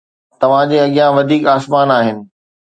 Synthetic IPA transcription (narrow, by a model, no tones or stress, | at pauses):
t̪ɐʋ̤ãd͡ʑeːɐɠijãʋɐd̪ʱiːkaːsmaːnaːɦɪnɪ̆